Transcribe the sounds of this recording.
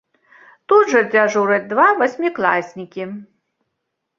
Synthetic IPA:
t̪ud̪ʐɐd͡zʲaʐuɾɐd̪vavɐsʲmʲiklˠasʲnʲikʲi

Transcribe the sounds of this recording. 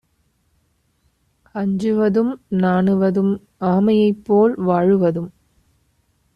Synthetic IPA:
ɐɲd͡ʒɯʋɐðɯmnaːɳɯʋɐðɯm | aːmɐjɐɪpːoːlʋaːɻɯʋɐðɯm

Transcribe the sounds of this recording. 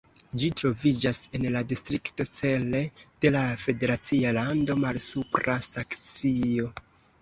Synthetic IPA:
d͡ʒitɾo̞vid͡ʒase̞nladistɾikto̞t͡se̞le̞d̥e̞lafe̞de̞ɾat͡sialando̞malsupɾasakt͡sio̞

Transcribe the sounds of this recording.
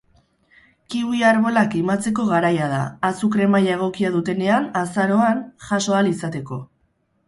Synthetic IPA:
kiβuiaɾβo̞lakimat͡se̞ko̞ɣaɾajað̞a̰ːsukɾe̞majaeɣ̞o̞kiað̞ut̪e̞ne̞anasaɾo̞anʝaso̞alisat̪e̞ko̞

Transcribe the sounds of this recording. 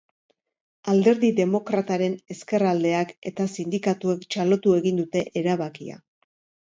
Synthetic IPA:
ald̪e̞ɾðiðe̞mo̞kɾat̪aɾe̞ne̞ske̞rald̪e̞ake̞t̪asind̪ikat̪uekt͡ʃalo̞t̪ue̞ɣind̪ut̪e̞ʔeɾaβakia̰

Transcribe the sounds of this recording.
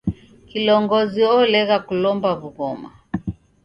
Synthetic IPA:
kilɔŋɡɔziɔlɛɣakulɔmbaβuɣɔma̰

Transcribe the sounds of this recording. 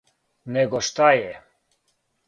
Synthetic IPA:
nɛɡoʃt̪aje

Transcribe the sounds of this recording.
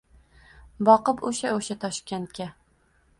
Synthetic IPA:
bɒqɨpoʃaoʃat̪ʰɒʃkʲent̪kʲa

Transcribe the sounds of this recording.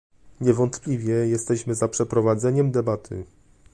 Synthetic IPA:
ɲɛvɔnt̪plʲivʲjɛjɛst̪ɛɕmɘzapʂɛpɾɔvad̪zɛɲɛmd̪ɛbat̪ʰɘ̰

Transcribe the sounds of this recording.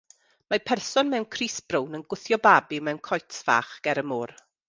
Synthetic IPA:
mapʰɛrsɔnmɛwnkʰriːsb̥rownənɡʊθjɔbaːbɪmɛwnkʰɔjtʰva̰ːχɡ̥ɛɾəmʊːr

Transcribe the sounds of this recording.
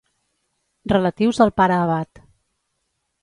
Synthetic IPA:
rələt̪iwzəlˠpaɾəːβat̪

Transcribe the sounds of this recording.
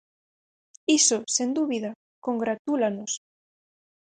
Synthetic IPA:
isosend̪uβiða | koŋɡɾat̪ulanos

